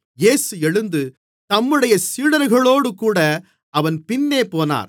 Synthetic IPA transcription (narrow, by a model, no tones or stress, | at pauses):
jeːsɯɛɻɯnd̪ɯ | t̪ɐmːɯɽɐjɐsiːɽɐɾɣɐɭoːɽɯkuːɽɐ | ɐʋɐnpɪnːeːpoːna̰ːɾ